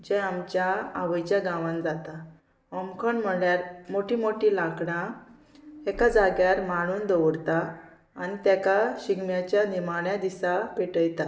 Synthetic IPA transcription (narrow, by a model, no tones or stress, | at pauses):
d͡ʑɛ̃amt͡ɕjaaʋəjt͡ɕjaɡãʋãnd͡zat̪a | ɔmkʰɔɳm̤əɭjaɾmoʈimoʈilakɽã | ekad͡zaɡjaɾmaɽ̃uːnd̪ɔʋɽt̪aː | nit̪ɛkaɕiɡmjat͡ɕjanimaɳjad̪isapeʈəjt̪a